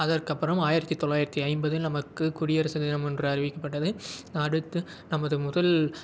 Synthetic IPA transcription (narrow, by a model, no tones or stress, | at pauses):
ɐðɐrkɐpːɐɾɐmaːjɪɾɐt̪ːit̪ːɔɭːaːjɪɾɐt̪ːiɐɪmbɐðɪlnɐmɐkːɯkʊɽɪjɐɾɐsɐðɪnɐmɛndrɯɐrɪʋɪkːɐpːɐʈːɐðɯɐɽɯt̪ːɯ | nɐmɐðɯmʊðɐl